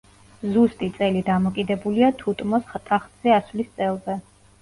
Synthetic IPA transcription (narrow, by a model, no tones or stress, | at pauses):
zust̪ʼit̪sʼɛlid̪amɔkʼid̪ɛbuliat̪ʰut̪ʼmɔsχt̪ʼaχt̪z̥ɛasvlist̪sʼɛlˠzɛ